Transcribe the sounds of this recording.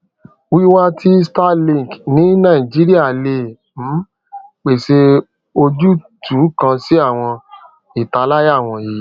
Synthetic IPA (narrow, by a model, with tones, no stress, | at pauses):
wi˦wa˦tʰi˦sta˦lĩ˦˨knĩ˨˦nã˦˨i˨d͡ʒi˦ɾi˦a˦˨le˧˨ | m̩˨˦ | k͡pe˨se˧ | o˧d͡ʒu˦tʰu˨˦kã˧si˦a˦˨w̃ɔ̃˧ | i˦˨ta˧˦la˦ja˦˨w̃ɔ̃˧ji˨˦